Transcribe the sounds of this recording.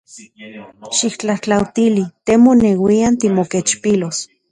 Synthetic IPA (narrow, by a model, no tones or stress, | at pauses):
ʃikt͡ɬaht͡ɬawt̪ilit̪emonewiant̪imoket͡ʃpilos